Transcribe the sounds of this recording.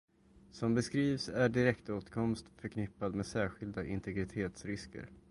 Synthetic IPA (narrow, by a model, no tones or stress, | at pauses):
sɔmbɛskɾiːvsæɖɪɾɛkt̪oːt̪kʰɔmst̪fœɾkʰnɪpːad̪meːsæːɧɪld̪aʔɪnt̪ɛɡɾɪt̪ʰeːt̪sɾɪskə̰ɾ